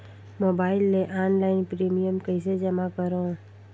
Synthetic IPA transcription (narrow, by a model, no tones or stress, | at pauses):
moːbaːɪlːeʔaːnlaːɪnpɾiːmijəmkəɪsed͡ʒəmakəɾo